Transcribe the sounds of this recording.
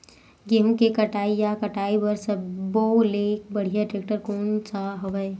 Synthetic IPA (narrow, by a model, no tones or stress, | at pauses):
ɡɪmkekɐʈaːijakɐʈaːibəɾsɐbboleːk̚bɐɽ̤ijaʈɾeːk̚ʈəɾkoːnt͡ʃaɦɐʋəe